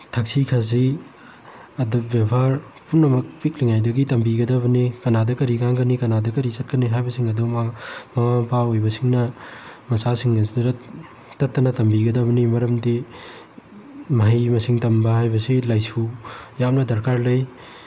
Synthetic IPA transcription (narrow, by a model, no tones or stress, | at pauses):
tʰɐk̚sikʰazi | ɐdubjebʱaɾpunːɐmɐk̚pik̚liŋajdɐɡitɐmbiɡɐdɐbɐnikɐnadɐkɐɾiɡaŋɡɐnikɐnadɐkɐɾisɐt̚kɐniɦajbɐsiŋɐdumamɐapʰaojbɐsiŋnɐmɐsasiŋɡɐsidɐɾɐ | tɐtːɐnɐtɐmbiɡɐdɐbɐnimɐɾɐmdi | mɐɦɐjmɐsiŋtɐmbɐɦajbɐsilajsujamnɐdɐɾkaɾlɐj